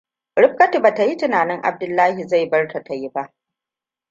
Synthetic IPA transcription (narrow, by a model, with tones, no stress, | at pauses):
ɽɪ˦ɸ̚kɐ˦ti˨baː˨ta˨ji˦tɪ˦naː˨nɪ˦ŋʔa̰˨b̚dʊ˦lːaː˦ɦi˨za˦˨jbɐ˦rta˨ta˨ji˦ba˦ʔ